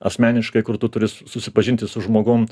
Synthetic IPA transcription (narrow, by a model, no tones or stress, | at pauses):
ɐ̰sʲmʲæːnʲɪʃkɐɪkʊɾt̪ʊt̪ʊɾʲɪssʊsʲɪpɐʒʲɪnʲt̪ʲɪsʊʒmoːɡʊm